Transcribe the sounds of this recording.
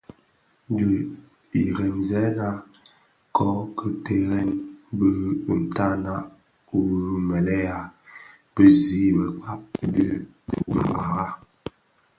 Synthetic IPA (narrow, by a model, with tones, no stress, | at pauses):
də˨ | i˨ɣɛ˨nzɛ˦na˦ | kʰɔ˦kə˦te˦ɣɛ˦nbə˦˨n̩˨ta˦na˦ʔ | u˨wə˦mɛ˨lɛ˦ja˨ | b̥ə˦zi˨˦˨bə˨k͡pa˦p̚də˦˨ba̰˨ɣa˨ɣa˦